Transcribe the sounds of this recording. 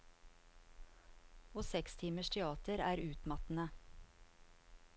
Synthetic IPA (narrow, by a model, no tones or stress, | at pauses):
oːsɛkst̪ʰiːməʃt̪ʰɛɑːt̪əɾæːɾʉːt̪mɑt̪n̩ə